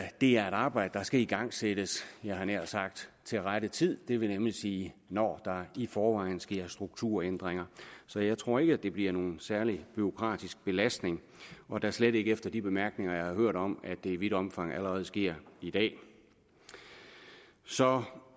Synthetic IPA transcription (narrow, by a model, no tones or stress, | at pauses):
d̥e̝æɐe̝ɾɑ̈ːb̥ɑ̈ɪ̰d̥əd̥ɑ̈sɡ̥æiɡ̥ɑ̈ŋ̰sed̥əsjɑ̈ɪɦɑ̈næɐ̰lsɑ̈ɡ̥̚d̥ | t͡sʰe̝lʁaɾ̥ət͡sʰið̰ˠd̥e̝ʋe̝nemlisiːnɒ̰ːd̥ɑ̈ifɒːʋɑ̈ɪ̰n̩sɡ̥e̝ɐ̰sd̥ʁuɡ̥̚t͡sʰuɐ̰end̥ʁeŋɐsɒ̽jɑ̈ɪt͡sʰʁo̝ɐ̰e̝ɡ̥əæd̥e̝b̥liɐ̰no̝ːn̩sæɐlib̥yo̝kʰʁɑ̰̈ːd̥isɡ̥̚b̥e̝læsd̥ne̝ŋ | ɒ̽d̥ɑɐsleɾ̥e̝ɡəefd̥ɐd̥ib̥e̝mæɐɡ̥ne̝ŋɐjɑ̈ɪhɑ̈ɦøɐ̰ɾɒ̽mæd̥e̝iʋiɾ̥ɒ̽mfɑ̈ŋ̰æləʁɛːð̞̩ˠsɡ̥e̝ɐ̰id̥ɛ̰ː | sɒ̽